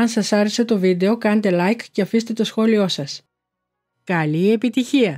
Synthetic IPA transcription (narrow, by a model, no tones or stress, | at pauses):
ɐnsɐsɐɾese̞t̪o̞vid̪e̞o̞kɐnet̪e̞lɐjkceɐfist̪e̞t̪o̞sxo̞lio̞sɐs | kɐlie̞pit̪içiɐ